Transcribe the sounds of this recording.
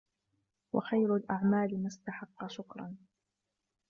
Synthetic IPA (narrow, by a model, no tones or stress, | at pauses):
wa̰xajɾʊlʔaʕmaːlɪmast̪aħɑqːɑʃʊkɾˤɑn